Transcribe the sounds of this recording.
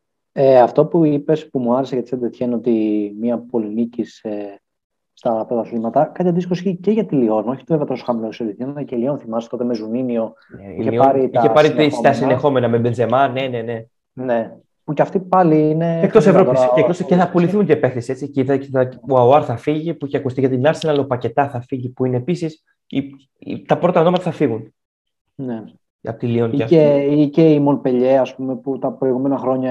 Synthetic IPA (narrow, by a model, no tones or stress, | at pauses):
eɐft̪o̞puipe̞spumuɐɾeseʝɐt̪ised̪et̪çenot̪imiɐpo̞linicise | st̪ɐpɾot̪ɐsimɐt̪ɐkɐt̪çɐðiskosçiceʝɐt̪ilio̞noçi̥t̪uveveɐt̪osoxɐmiloseɾit̪θnnɐcelionθimɐst̪o̞t̪emezunimio̞ | içeipɐɾit̪iɐepaɾit̪ist̪ɐsinexo̞menɐmebenzemɐnːenene | ne | puceɐft̪ipɐliineekt̪osevɾosekt̪osceθɐpuliθiunt̪iepefθesie̞t͡sicit̪ɐt̪eɐɐuɐɾθɐfiʝiepuiçeɐkust̪iʝɐt̪inɐɾsenɐlopɐce̞t̪ɐθɐfiʝipuine̞ːpisis | ḭ | t̪ɐpɾo̞t̪ɐono̞mɐt̪ɐθɐfiɣun | ne | ɐ̰pot̪ilioniɐeiceimonpe̞ʎeɐspumeput̪ɐpɾo̞iɣume̞nɐxɾo̞ɲɐ